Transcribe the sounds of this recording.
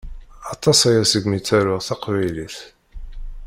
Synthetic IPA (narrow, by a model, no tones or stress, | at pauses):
ɑt̪ˤɑsæjæsəɡmit͡sːæɾʊʁθɑqvæjliθ